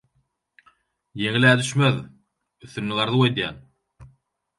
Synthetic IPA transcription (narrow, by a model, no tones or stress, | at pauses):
jeŋilæːd̪yʃmøð | yθːynːyɡɑɾðuwed̪jæ̰ːn